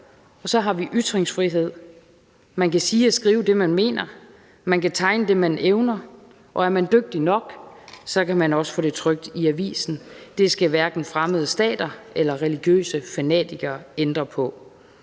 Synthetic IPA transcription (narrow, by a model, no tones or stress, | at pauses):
ɒ̽sɒ̽ɦɑ̈ʋiʔyd̥ʁeŋsfʁiɦe̝ð̞̰ˠ | mænkæsiːɒsɡ̥ʁiːʊəd̥e̝mænme̝̰ːnɐ | mænkæt͡sʰɑ̈ɪnəd̥e̝mænʔeʊnɐ | ʔɒ̽æɐmænd̥øɡ̥̚d̥inɒ̽ɡ̥sɒ̽kʰæmænɒ̽sə̥fɔ̰̽ːd̥e̝t͡sʰʁœɡ̥̚d̥iæʋḭːsn̩d̥e̝sɡ̥æʋæɐɡ̥n̩fʁaməð̞ˠəsd̥ɛ̰ːd̥ɐelɐʁɛliɡ̥jø̰ːsəfænɛ̰ːd̥ʰiɡ̥ɐend̥ʁɐpʰɒ̽